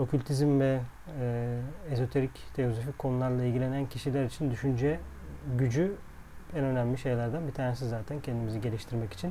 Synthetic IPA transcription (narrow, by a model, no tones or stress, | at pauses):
o̞kʰylʲt̪ʰizmvɛ | ezo̞t̪ʰe̞ɾict̪ʰe̞jozofickʰo̞nulˠaɾlˠailʲɟilʲe̞næncʰiʃilʲæɾit͡ʃʰind̪yʃynd͡ʒɛ | ɟyd͡ʒy | ɛnø̞næmlʲiʃe̞jlʲæɾd̪ænbit̪ʰaːnesizːaːt̪ʰæncʰɛnd̪imiziɟe̞lʲiʃt̪ʰiɾmɛci̥t͡ʃʰin